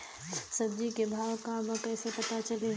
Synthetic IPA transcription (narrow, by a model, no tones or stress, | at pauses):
sɐb̚d͡ʒikebʱaːʋkãmə̃kɛːsepɐt̪at͡ʃəleɦ